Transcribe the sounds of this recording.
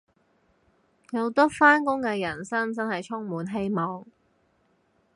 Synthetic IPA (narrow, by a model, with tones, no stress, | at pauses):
jɐ˨˧wt̪ɐː˥faː˥nkʊ˥ŋkɛː˧jɐ˨˩nsɐ˥ŋt͡sɐ˥nhɐ˨jt͡sʰʊ˥ŋmuː˨nɦe˥jmɔː˨ŋ